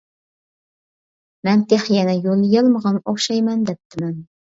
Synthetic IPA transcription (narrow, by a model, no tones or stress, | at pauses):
mɛnt̪ʰeχjɛnɛjolˠjɑlˠməʁɑnoχʃɑjmɛnd̪ɛp̚t̪ʰɪmɛn